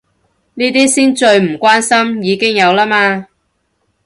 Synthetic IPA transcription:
niː˥t̪iː˥siː˥nt͡ʃɵ˧ɥm̩˨˩kʷaː˥nsɐ˥mjiː˨˧kɪ˥ŋjɐ˨˧wlaː˥maː˧

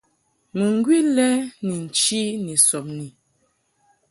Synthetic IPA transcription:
mu˨ŋ˦ɡwi˦lɛ˦ni˨n̩˨t͡ʃi˦ni˨sɔ˨p̚ni˨

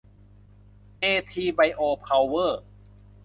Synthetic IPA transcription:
ʔeː˧t̪ʰiː˧ba˧jʔoː˧pʰa˧wːɤː˥˩

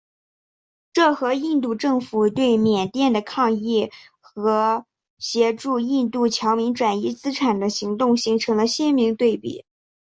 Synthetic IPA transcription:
ʈ͡ʂɤ˥˩xɤ˧˥i˥˧nt̪̬u˥˧ʈ͡ʂɤ˥˩ŋfu˨˩t̪we˥˩ɪmjɛ˨˩nt̪jɛ˥˩nd̪ə˩kʰɑ˥˧ŋi˥˩ | xɤ˧˥ | ɕjɛ˧˥ʈ͡ʂu˥˧i˥˧nt̪u˥˩t͡ɕʰjɑ˧˥ʊmi˧˥ŋʈ͡ʂwa˨˩ni˥˧t͡sɹ̩˥ʈ͡ʂʰa˨˩nd̪ə˦ɕi˧˥ŋt̪ʊ˥˩ŋɕi˧˥ŋʈ͡ʂʰɤ˧˥ŋlə˧ɕjɛ˥nmi˧˥ŋt̪we˥˩ɪpḭ˨˩˦

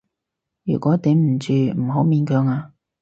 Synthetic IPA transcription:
jyː˨˩kʷɔː˨˥t̪iː˨˥mm̩˨˩t͡ʃyː˨˩m̩˨˩ɦo˨˧˥wmiː˨˧˥nkœː˨˧ŋaː˧

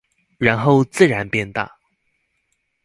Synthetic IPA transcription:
ɻa˧˥nxo˥˧ʊt͡sɹ̩˥˩ɻa˧˥npjɛ˥˧nt̪a̰˥˩

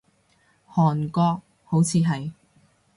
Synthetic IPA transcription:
hɔː˨˩nkɔː˧k̚ | ho˨˥wt͡sʰiː˨˧ɦɐ˨j

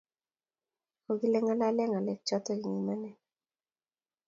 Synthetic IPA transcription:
ko˨ɡi˦lɛ˦ŋa˦la˦lɛ˦ŋa˨lɛ˨k̚t͡ʃɔ˦tɔ˦ɡi˨ŋi˨ma˦nɛ˦˨

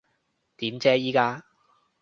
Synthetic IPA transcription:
t̪iː˨˥mt͡sɛː˥jiː˥kaː˥

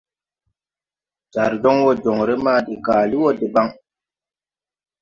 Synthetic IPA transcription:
d͡ʒa˨ɾd͡ʒɔ˦ŋwɔ˦d͡ʒɔ˨ŋɾe˦maː˦˨de˨kaː˨li˦wɔ˦de˨ba˦ŋ

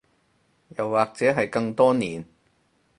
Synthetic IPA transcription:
jɐ˨˩wːaː˨k̚t͡sɛː˨˥ɦɐ˨jkɐ˧ŋt̪ɔː˥niː˨n

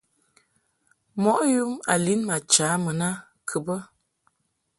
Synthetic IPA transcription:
mɔ˦ʔju˦ma˨li˦nma˨t͡ʃa˨˦mə˨na˦ | kʰə˨bə˦

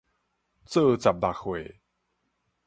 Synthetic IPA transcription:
t͡sɤ˥˧˨t͡sa˨˩p̚d̪a˨˩kxwe˨˩˨

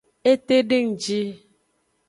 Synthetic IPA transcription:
e˦te˦de˦ŋ̩˨d͡ʒi˦

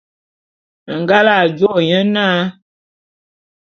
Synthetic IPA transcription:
ŋ˨ɡa˦la˦˨d͡ʒwo˦˨ɲə˦na˦

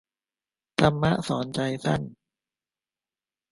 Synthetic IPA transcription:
t̪ʰa˧mːa˦˥ʔsɔː˩˦nt͡ɕa˧jsa˥˩n

